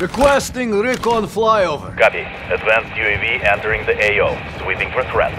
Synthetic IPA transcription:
ɹɨkwɛstɪ̃ŋɹɪkɔ̃nflˠajovə̰ɹkati | ədvæ̃nstjueviʔɛ̃ntə˞ɪ̃ŋðiʔeɪoʊ | swipɪ̃ŋfə˞θɹɛ̰d

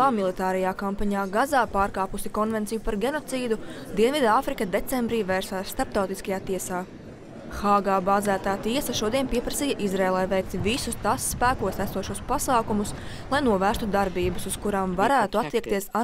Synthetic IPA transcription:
aːmilˠit̪aːɾɛjaːkampaɲaːɡazaːpaːɾkaːpusikɔnvɛnt̪sijupaɾɡʲenɔt̪siːd̪u | d̪iɛnvid̪aaːfɾikɐd̪et̪sɛmbɾiːvɛːɾsaːsst̪aɾp̚t̪awt̪iskɐjaːt̪iɛsaː | xaːɡaːbaːzæːt̪aːt̪iɛsɐʃuɔd̪iɛnpiɛpɾɐsiːjɐʔizɾeːlˠajʋɛjkt̪ivisust̪asːpæːkuɔsæsuɔʃuɔspasaːkumus | lˠajnuɔvæːst̪ud̪aɾbiːbɐsuskuɾaːmvaɾæːt̪uat̪ːiɛkt̪iɛsa

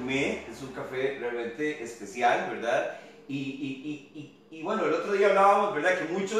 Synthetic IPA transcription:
meesuŋkafe̞realmẽ̞nt̪e̞ʔespe̞sjalbe̞ɾðað | iiiiː | βwe̞no̞elo̞t̪ɾo̞ðiaːβlaβamo̞zbeɾðakemũt͡ʃo

